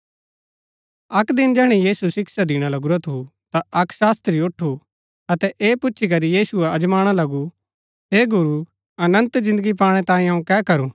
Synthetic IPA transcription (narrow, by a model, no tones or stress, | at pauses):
ɐkd̪ɪnd͡ʒɛɦɽ̃ijiːsusɪksad̪ɪɽ̃alɐɡʊɾat̪ʰut̪aɐksaːst̪ɾiʊʈʰːu | ɐt̪ɛʔeːpʊtːʃʰik̬ɐɾijiːsueɐd͡ʒmaːɽ̃alɐɡu | ɦeːɡʊɾu | ɐnə̃nt̪d͡ʒɪ̃nd̪əɡip̬aːɽ̃ɛt̪ãːĩaũkɛːkɐɾu